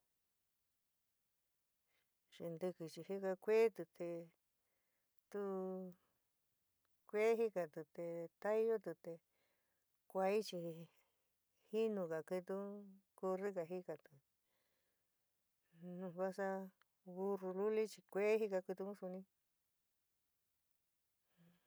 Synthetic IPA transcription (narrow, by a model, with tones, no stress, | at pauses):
ʂi˧nd̪ɨ˧kɨ˨t͡ʃi˧hi˦ka˧kʷe˦t̪u˧t̪ʰe˧ | t̪u˦ | kʷe˦ɦi˦ka˧t̪u˨t̪e˧t̪a˦i˦jo˦t̪u˧t̪e˧ | kʷa˧i˦t͡ʃi˧ | hi˦nũ˧ka˨ki˧t̪u˦ku˧ri˦ka˧˨ɦi˦ka˨t̪u˨ | nũ˧βa˦sa˦ | βu˧ru˧lu˦li˦t͡ʃi˧kʷe˦ɦi˦ka˧kɨ˧t̪u˧mũ˦su˧nĩ˦˧